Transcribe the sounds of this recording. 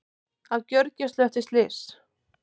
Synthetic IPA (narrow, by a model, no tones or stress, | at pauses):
awcœɾcast̪lœht̪ɪst̪lɪːs